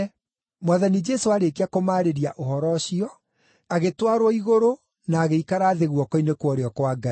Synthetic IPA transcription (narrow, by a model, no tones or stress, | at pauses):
mwaðanid͡ʒɛsoaɾekeakomaːɾeɾiaʔohɔɾɔɕiɔ | aɣetwaɾwɔiɣoɾo | naːɣeikaɾaːðeɣwɔkɔinekwɔɾeɔkwaɡa